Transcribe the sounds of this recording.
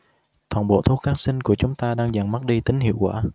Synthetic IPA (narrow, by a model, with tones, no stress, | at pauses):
t̪ʰwa̰ː˧˩nɓo̰˧˨t̪ʰu˨˥xaː˨˦nsï˧ŋku˧˩ət͡ɕʊ˨˦ŋ͡mt̪aː˧ɗaː˧ŋza˧˩ŋma˦˥t̚ɗi˧t̪ï˨˦ŋhḭ˧˨əwkwaː˧˩